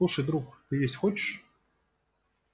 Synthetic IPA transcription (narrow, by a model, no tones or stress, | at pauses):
uʂəjd̪ɾukt̪ɨjesʲtʲxɔt͡ɕɪ̥ʂ